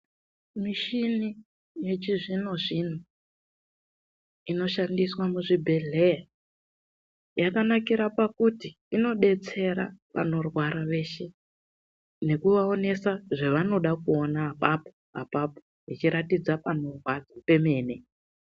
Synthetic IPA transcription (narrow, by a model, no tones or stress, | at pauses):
miʃini | je̞t͡ʃiʐinoʐin̤u | ino̞ʃandiswamuʐibʱe̞ɮea | jakanakiɾapakuti | ino̞ɗe̞t͡se̞ɾa̰ʋa̰no̞rwaɾaʋe̞ːʃe | ne̞kuʋao̞ne̞saʐeʋano̞ɗakuonaːpapoɦa̰papo̥ | it͡ʃiɾatid͡zapano̞rwad͡zape̞me̞ːne̞